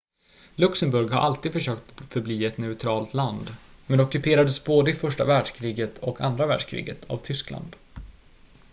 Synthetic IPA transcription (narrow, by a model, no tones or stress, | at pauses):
lɵksəmbɵɾɡhaɾʔalt̪iːd̪fœʂøːkt̪fœɾbliːɛt̪nɛʉt̪ʰɾɑːlt̪land̪mɛnd̪ɛɔkɵpʰeːɾad̪əsboːd̪əɪfœʂʈa̰væːɖʂkʰɾiːɡət̪ʰɔka̰nd̪ɾavæːɖʂkʰɾḭːɡət̪ʰa̰vt̪ʰʏskla̰nd̪